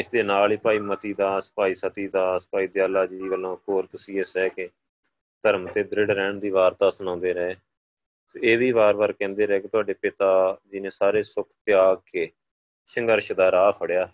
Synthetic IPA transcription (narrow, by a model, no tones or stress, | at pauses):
ɪsd̪eːnaːliːpaːiːmət̪iːd̪aːsə̥paːiːsət̪iːd̪aːsə̥paːiːd̪eːəlːaːd͡ʒiːʋəlːõːkoːɾt̪əsiːesɛːke | t̪əɾmt̪eːd̪ɾɪɖɾɛːɳd̪iːʋaːɾt̪aːsənãːnd̪eːɾɛː | soeːʋiːʋaːɾbaːɾkɛ̃ːnd̪eːɾɛːket̪ʊaːɖeːpɪt̪aːd͡ʒɪnẽːsaːɾeːsʊkʰt̪ɪaːɡkeː | ʃəŋɡəɾʃd̪aːɾaːpʰəɽjaː